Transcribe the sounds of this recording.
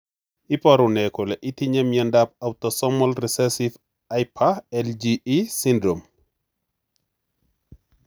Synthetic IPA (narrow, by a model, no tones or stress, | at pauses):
ʔipɐɾunɛkɔlɛʔitiɲɛmjɛndap̚awtɔsɔmɔlrisɛsif | ajpʰaɛld͡ʒiisindɾom